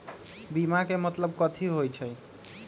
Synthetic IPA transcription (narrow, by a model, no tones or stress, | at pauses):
bimakemət̪ləb̚kɔt̪ʰiɦojt͡ʃʰəj